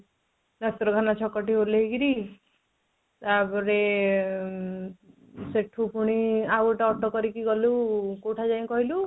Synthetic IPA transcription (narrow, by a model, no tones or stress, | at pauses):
nat̪ɾɔkʰanat͡ʃʰɔkːɔʈiɦoɾleɦikiɾi | t̪abɔɾe | seʈʰupuɽ̃iaɡɔʈaɔʈɔkɔɾikiɡɔlukoʈʰad͡ʒaĩkɔɦilu